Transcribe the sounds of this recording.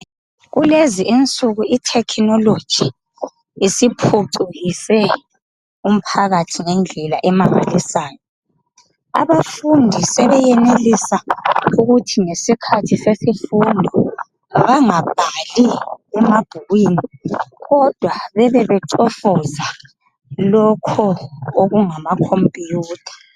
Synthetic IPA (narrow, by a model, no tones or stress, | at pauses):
ɣuleziʔint͡sʼuɣuitʰɛkʰnɔlod̥ʒ̥ʱiː | sipʰuǀuɣisɛ | um̩pʰaɣatʰiŋɛnd͡ɮʱɛlaʔɛmaβa̰lisaːjɔ | a̰βafundʱisɛβɛjɛnelisauɣutʰiŋesikʰatʰisesifundʱɔ | βaŋab̥ʱaliɛmab̥ʱuɣwiːniɣɔd̥ʱwaβɛβɛβɛǀɔfɔza | lɔkʰɔoɣuŋamakʰompʼijuːtʰḁ